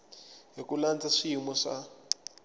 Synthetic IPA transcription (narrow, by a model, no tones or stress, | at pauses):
ɦekulant͡saʂimɔʂa̰